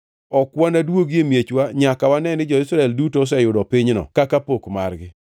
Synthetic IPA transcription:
ɔkwanadwoɡjemjet͡ʃwaɲakawanɛnɪd͡ʒɔɪsɾaɛldutos̬ɛjʊdɔpiɲnɔ̰kakapokmarɡɪ

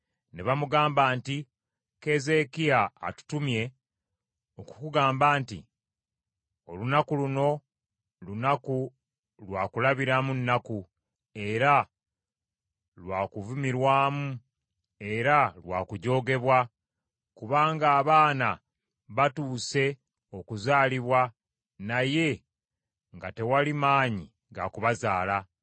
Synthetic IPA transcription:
neβamuɡaːmbaːnti | ke̞ze̞kija̰ːtu̥tumje̞ | oku̥kuɡaːmbaːntḭ | o̞lunakuluno̞ | lunaku | lwaːkulaβiɾamunːaku | e̞ɾa | lwaːkuvumiɾwaːmu | e̞ɾalwaːkuɟo̞ːɡe̞βwa | kuβaːŋɡaːβaːna | βatuːse̞ | o̞kuzaːliβwa | naje̞ | ŋɡate̞walimaːɲi | ɡakuβazaːla

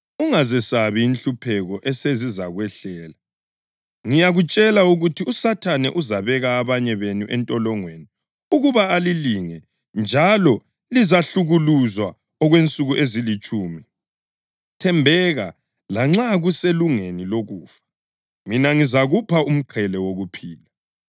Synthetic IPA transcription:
uŋazɛsaβiːnɬupʰɛɣɔʔɛsezizaɣwɛɬɛːla | ŋijaɣut͡ʃʼɛlauɣutʰiusatʰanɛ̰ʔuzaβɛɣaːβaɲɛβenuʔɛntʼɔlɔŋweni | uɣuβaːliliŋɛ | nd͡ʒʱalɔ | lizaɬuɣuluzwa | ɔɣwent͡sʼuɣuʔezilit͡ʃʼuːmi | tʰɛmbʱɛɣa | laŋ͡ǁaɣuseluŋeniloɣuːfḁ | minaŋizaɣupʰaum̩ǃʰɛlɛwoɣupʰiːla

